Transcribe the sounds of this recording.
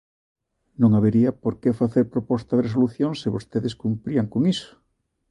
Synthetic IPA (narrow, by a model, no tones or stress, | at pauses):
nõŋaβeɾiɐpoɾkefaθeɾpɾopɔst̪ɐðeres̬oluθjoŋsɪβost̪eðeskumpɾiɐŋkoŋisʊ̥